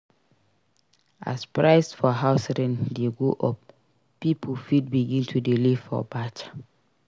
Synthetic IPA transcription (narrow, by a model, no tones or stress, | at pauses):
a̰spɹaɪsfɔɦaʊsɛɾɛ̃ndeɡoʔɔp | pipʰulfit̚biɡĩntʰudiliv̥ɔ̰bat͡ʃḁ